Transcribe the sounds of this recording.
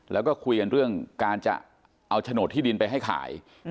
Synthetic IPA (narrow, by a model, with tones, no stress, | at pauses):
lɛ̰ː˦˥wkɔː˥˩kʰu˧jka˧nɾɯ˥˩əŋkaː˧nt͡ɕa̰˨˩ | ʔa˧wt͡ɕʰa˧noː˨˩t̪ʰːiː˥˩i˧npa˧jɦa˥˩jkʰa̰ː˩˦j